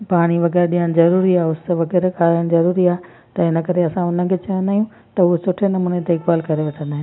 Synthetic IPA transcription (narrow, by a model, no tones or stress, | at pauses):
paːɽ̃iʋɐɣɛːɾɗĩəñ̆zɐɾuːɾiaːʊsʋɐɣɛːɾkaːləɽ̃ɪ̆zɐɾuːɾiaːɦe | t̪ɐɪnəkɐɾeɐsãʊn̤ə̆kʰeːt͡ɕɐjə̃nd̪aːɦijũ | t̪ɐɦusʊʈʰenɐmuːnet̪eɪkaːlkɐɾeʋɐʈʰə̃nd̪aːɦɪn